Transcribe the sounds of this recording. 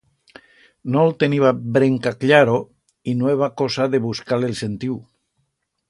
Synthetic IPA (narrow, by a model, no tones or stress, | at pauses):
nolt̪eniβabɾeŋkakʎaɾo | inoeβakosaðeβuskalelsent̪iw